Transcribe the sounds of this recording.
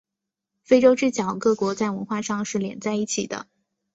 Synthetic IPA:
fe˥ɪʈ͡ʂo˥ʊʈ͡ʂɻ̩˥˩t͡ɕjɑ˨˩ʊkɤ˥˩kwɔ˧˥t͡sa˥˩ɪwə˧˥nxwa˥˧ʂɑ˥˧ŋʂɻ̩˥˩ljɛ̰˧˥nt͡sa˥˧ɪi˥˩t͡ɕʰi˨˩d̪ə̰˦

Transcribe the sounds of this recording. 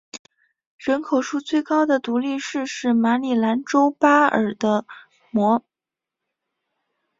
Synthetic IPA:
ɻə˧˥nkʰo˨˩ʊʂu˥t͡swe˥˩ɪkɑ˥ʊd̪ə˨t̪u˧˥li˥˧ʂɻ̩˥˧ʂɻ̩˥˩ma˧˥li˨˩la˧˥nʈ͡ʂo˥ʊpa˥ə̰˞˨˩d̪ə˦ | mwɔ˧˥

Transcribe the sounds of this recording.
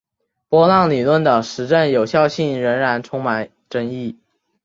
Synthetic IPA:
pwɔ˥lɑ˥˩ŋli˨˩lwə˥˩nd̪ə˩ʂɻ̩˧˥ʈ͡ʂə˥˩njo˨˩ʊɕjɑ˥˧ʊɕi˥˩nɻə˧˥nɻa˧˥nʈ͡ʂʰʊ˥ŋma˨˩n | ʈ͡ʂə˥ŋi˥˩

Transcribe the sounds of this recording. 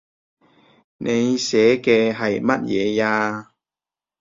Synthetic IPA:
nʔe˨˧jsɛː˨˥kɛː˧ɦɐ˨jmɐ˥t̚jɛː˨˧jaː˧

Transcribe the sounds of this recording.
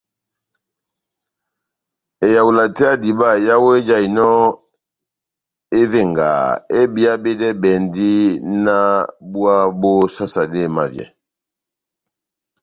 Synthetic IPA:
e˨ja˨u˨la˨tɛ˦a˦di˨ba˦˨ja˦wo˦e˦d͡ʒa˨i˨nɔ˦ | e˦ve˦˨ŋɡa̰˨e˦bi˦a˦be˦dɛ˦bɛ˨ndi˦na˦bu˦a˦bo˦sa˦sa˨de˦˨ma˨vjɛ̰˨

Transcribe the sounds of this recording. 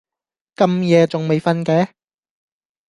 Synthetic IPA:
kɐ˨mjɛː˨˧t͡sʊ˨ŋme˨jfɐ˥nkɛː˨˥

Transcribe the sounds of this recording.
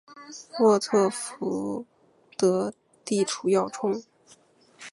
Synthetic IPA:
mwɔ˥˧t̪ʰɤ˥˩fu˧˥ | t̪ɤ˧˥ | t̪i˥˩ʈ͡ʂʰu˧˥jɑ˥˩ʊʈ͡ʂʰʊ˥ŋ

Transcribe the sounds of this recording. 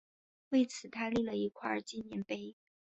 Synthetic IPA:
we˥˩ɪt͡sʰɹ̩˨˩t̪ʰa˥li˥˩lə˩i˧˥kʰwa˥˩t͡ɕi˥˩njɛ˧˥npe˥ɪ

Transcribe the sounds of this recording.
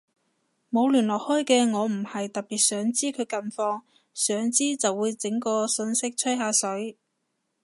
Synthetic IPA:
mo˨˧wlyː˨˩nlɔː˨k̚hɔː˥jkɛː˧ŋɔː˨˧m̩˨˩hɐ˨jt̪ɐ˨k̚piː˨˩t̚sœː˨˥ŋt͡siː˥kʰɵ˨˧ɥkɐ˧nfɔː˧ŋ | sœː˨˥ŋt͡siː˥t͡sɐ˨wːuː˨˧jt͡sɪ˨˥ŋkɔː˧sɵ˧nsɪ˥k̚t͡sʰɵ˥jɦaː˧sɵ˨˥ɥ

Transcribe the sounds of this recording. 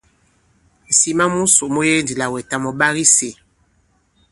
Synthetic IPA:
si˦˨ma˦mu˦so˨mo˦je˦ndi˨la˨wɛ˨ta˨mɔ˨ɓa˦ɣi˦se˨

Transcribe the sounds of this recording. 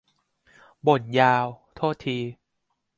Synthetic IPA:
bo˨˩njaː˧wt̪ʰoː˥˩t̪ʰːiː˧

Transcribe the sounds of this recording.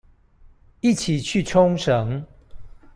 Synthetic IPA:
i˥˨t͡ɕʰi˨˩t͡ɕʰy˥˨ʈ͡ʂʰʊ˦ŋʂə˨˦ŋ

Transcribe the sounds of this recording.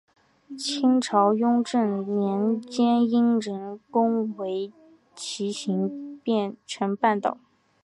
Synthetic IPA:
t͡ɕʰi˥ŋʈ͡ʂʰɑ˧˥ʊjʊ˥ŋʈ͡ʂə˥˩ŋnjɛ˧˥nt͡ɕjɛ˥ni˥ŋɻə˧˥nkʊ˥ŋwe˧˥ɪ | t͡ɕʰi˧˥ɕi˧˥ŋpjɛ˥˩nʈ͡ʂʰə˧˥npa˥˩nt̪ɑ˨˩˦ʊ

